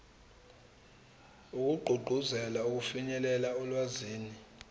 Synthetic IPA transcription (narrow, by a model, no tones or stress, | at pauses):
uk̬ʼuɡ͡ǃʱuɡ͡ǃʱuzɛlauk̬ufiɲɛlɛlaɔlwaziːni